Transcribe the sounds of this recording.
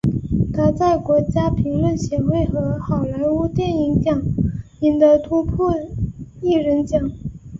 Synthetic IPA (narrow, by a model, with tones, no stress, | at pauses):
t̪ʰa˧˥t͡sa˥˩ɪkwɔ˧˥t͡ɕja˥pʰi˧˥ŋlwə˥˩nɕjɛ˧˥xwe˥˩ɪxɤ˧˥xɑ˨˩ʊla˧˥ɪu˥t̪jɛ˥˩ni˧˥ŋt͡ɕjɑ˨˩˦ŋ | i˨˩ŋd̪ə˧t̪ʰu˧˥pʰɔ˥˧i˥˩ɻə˧˥nt͡ɕjɑ˨˩˦ŋ